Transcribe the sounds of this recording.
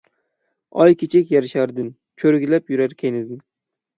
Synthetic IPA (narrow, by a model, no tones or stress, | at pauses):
ɒjkʲʰet͡ʃʰekʲjaɾɪʃaɾd̪ɪn | t͡ʃʰɵɾɪɡʲlapjʊɾaɾkʲʰenɪd̪ɪn